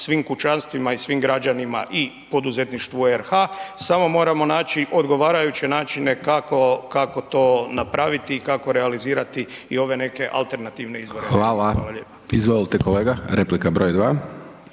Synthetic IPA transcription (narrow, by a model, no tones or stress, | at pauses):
sʋiːmkut͡ʃanst̪ʋimaisʋiːmɡɾad͡ʒanima̰ʔi | po̞d̪uze̞t̪niʃt̪ʋueɾxasamo̞mo̞ːɾamo̞naːt͡ʃiʔo̞d̪ɡo̞ʋaːɾajut͡ɕe̞naːt͡ʃine̞kakokako̞t̪o̞ːnapɾaʋit̪iːkako̞ɾealiziːɾat̪i | io̞ʋe̞ne̞ke̞ʔa̰lˠt̪e̞ɾnat̪iʋne̞izʋo̞ɾexʋaːlaalaʎeːpo̥izʋojilˠt̪ekoleːɡaɾeplikabɾoːjd̪ʋaː